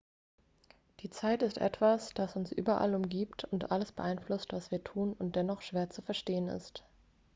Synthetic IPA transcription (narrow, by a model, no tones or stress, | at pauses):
d̥iːt͡saɪtɪstʔɛ̰tv̥asd̥asʊnsʔy̰ːbɐʔa̰lʊmɡiːptʰʊntʔaləsb̥əʔaɪnflʊstv̥asv̥iːɐtʰuːnʊnt̚d̥ɛnɔχʃv̥eːɐt͡sufɛɐʃteːənɪ̰st